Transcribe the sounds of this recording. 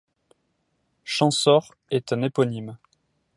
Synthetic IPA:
ʃɑ̃sɔʁ | ɛt̪ɛ̃nepɔnim

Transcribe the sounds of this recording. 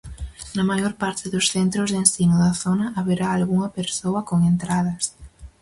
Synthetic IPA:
nɐmajoɾpaɾt̪ɪðʊsθent̪ɾozðensinʊðɐθonɐːβeɾaːlɣuŋɐpeɾsoɐkoŋent̪ɾað̞ɐs

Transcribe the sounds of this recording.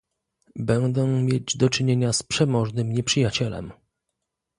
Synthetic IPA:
bɛnd̪ɛ̃mʲjed͡ʑd̪ɔt͡ʂɘɲeɲaspʂɛmɔʐnɘmɲɛpʂɘjat͡ɕɛlɛ̰m

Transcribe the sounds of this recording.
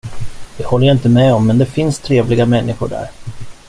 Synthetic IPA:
d̪̥ɛhɔlːəjaɪnt̪əmɛɔmːɛnd̪ɛfɪnst̪ʰɾeːvlɪɡamɛnːɪɧʊ̰ɖæ̰ɾ

